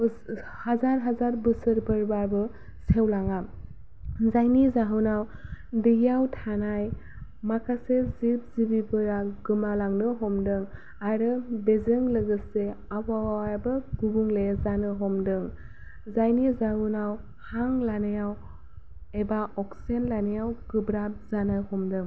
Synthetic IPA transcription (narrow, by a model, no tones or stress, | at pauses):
hazaɾɦazaɾbɯsɯɾbɯɾbaɾbɯ | sewlaŋa | zajnizaɦunawdɯjawtʰanaj | makʰasezip̚zibibɯɾaɡɯmalaŋnɯɦɔmdɯŋ | aɾɯbezɯŋlɯɡɯseawawaaɾbɯɡubuŋlezanɯɦɔmdɯŋ | zajnizaɦunaw | haŋlanejaw | ebaɔksenlanejawɡɯbɾap̚zanajhɔmdɯŋ